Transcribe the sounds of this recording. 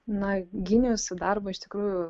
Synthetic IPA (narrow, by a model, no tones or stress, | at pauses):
nɐɡʲɪnʲɪjʊsʊd̪ɐɾbɐɪʃt̪ʲɪkɾuːjʊ